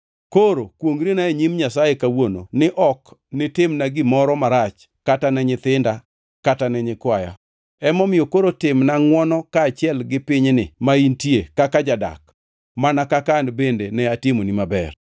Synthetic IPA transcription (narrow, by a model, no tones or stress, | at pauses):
koɾokwoŋɡɾinaeɲimɲasajekawono̰nɪʔɔknɪtɪmnaɡɪmɔɾɔmaɾat͡ʃ | katanɛɲɪt̪ɪnda | katanɛɲɪkwaja̰ | ɛmɔmɪjokoɾotɪmnaŋwɔnɔkaːt͡ʃɪɛlɡɪpɪɲnɪmaintjekakad͡ʒada̰k | manakakandbendenɛatɪmonimabɛ̰r